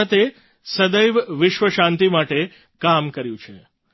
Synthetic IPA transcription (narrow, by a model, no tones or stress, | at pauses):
ət̪e | səd̪əjʋʋɪʃʋəʃãnt̪imaʈe | kamkəɾjũt͡ʃʰe